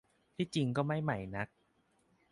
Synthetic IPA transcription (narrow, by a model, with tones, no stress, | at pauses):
t̪ʰiː˥˩t͡ɕi˧ŋkɔː˥˩ma˥˩jma˨˩jna˦˥k̚